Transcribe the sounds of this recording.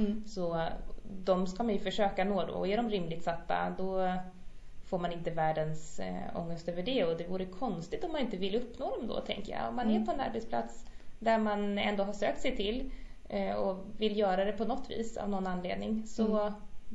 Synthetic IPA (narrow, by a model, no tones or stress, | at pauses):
sɔ | d̪ɔmskamanjɵfœʂøːkanoːd̪ɔ̰ɔæɖɔmɾɪmlɪɡ̚t̪sat̪ːa̰d̪ɔ | foːɾmanɪnt̪əvæːɖənsɔ̰ŋːəst̪øːvəɖɛɔd̪ɛvuːɾəkʰɔnst̪ɪ̥t̪ɔmːanɪnt̪əvɪlːɵpːnoːd̪ɔmd̪ɔ̰ːt̪ʰɛ̰ŋkəjɑ̰ɔ̰mːanæɾpʰɔɛna̰ɾbɛt̪spʰla̰t̪sd̪æɾmanɛ̰nd̪oːɦaʂøːk̚t̪sɛjt̪ʰɪl | ɔvɪlːjœːɾad̪ɛpʰɔnɔt̪ːvḭːsa̰vnɔnːanːleːd̪̚nɪŋsɔ